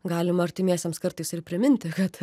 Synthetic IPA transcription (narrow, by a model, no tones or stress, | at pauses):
ɡɑːlʲɪmɐɾʲt̪ʲɪmʲiɛsʲɛmskɐɾt̪ɐɪsɪɾpʲɾʲɪmʲɪnʲt̪ʲɪkɐt̪